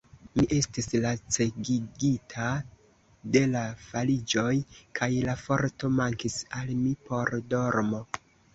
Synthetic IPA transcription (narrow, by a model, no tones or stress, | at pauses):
miʔe̞stislat͡se̞ɡiɡitʰa | de̞lafalid͡ʒo̞jkʰajlafo̞ɾto̞maŋkisalmipo̞ɾdo̞ɾmo̞